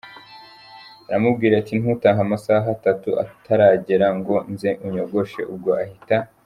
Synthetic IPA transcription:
aɾamubɡiːɾatin̥hutaːŋɦamasaːɦatatuʔa̰tʰaɾaːɟeɾaŋɡo̞nzeʔuɲo̞ɡo̞ʃe̞̰ʔub̚ɡo̞ʔahita

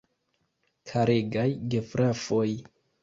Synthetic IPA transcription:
kʰaɾeɡajɡe̞fɾʔafo̞j

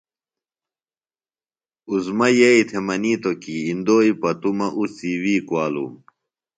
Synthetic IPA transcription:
uzmɐjɐit̪ʰemɐniːt̪okiːnd̪oːipɐt̪umɐʔusiwiːkwaːlṵ

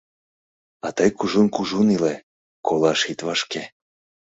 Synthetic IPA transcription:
ɑt̪əjkuʒunkuʒunile | kolɑʃit̪βɑʃke

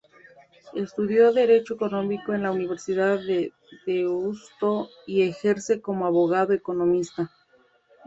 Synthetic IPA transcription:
e̞st̪uðjo̞ðe̞ɾe̞t͡ʃoeko̞nõ̞miko̞e̞nlauniβ̞e̞ɾsiðaðe | deust̪o̞ie̞xe̞ɾse̞komoaβoɣaðoeko̞no̞mist̪a

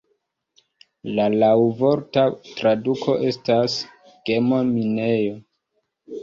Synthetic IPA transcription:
lalawvo̞ɾtatɾadukʰo̞ʔe̞stas | ɡ̥e̞momine̞jo̞

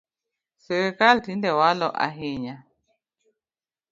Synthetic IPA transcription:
sɛɾekalt̪indɛwalɔʔa̰ɦeɲa

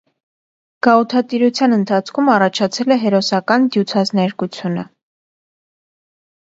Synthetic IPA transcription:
ɡ̥ɑut̪ʰɑt̪iɾut͡sʰjɑnənt̪ʰɑt͡sʰkʰumɑrɑt͡ʃʰɑt͡sʰɛlɛɦɛɾɔsɑkɑnd̪jut͡sʰɑznɛɾkut͡sʰjunə

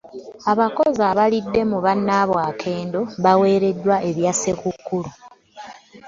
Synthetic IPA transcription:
aβako̞zaβalidːe̞muβanːaβwaːkʰe̞ːndo̞βawe̞ːɾe̞dːwaʔe̞βjase̞kukːulu

